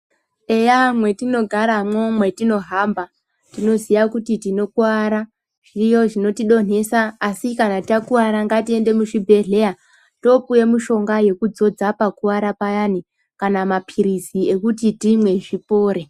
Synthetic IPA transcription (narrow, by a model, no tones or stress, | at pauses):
ejamwe̞tino̞ɡʱaɾamomwe̞tino̞ɦaːmba | tino̞zijakutitino̞kuaɾa | ʐ̥ijo̞ʐino̞tiɗo̞ne̞saːsikanatiakuaɾaŋɡatie̞nde̞muʐibʱe̞ɮe̞ja | to̞puje̞muʃo̞ŋɡaje̞kud͡zo̞d͡zapakuwaɾapajani | kanamapʰiɾizie̞kutitimwe̞ʐipoːɾe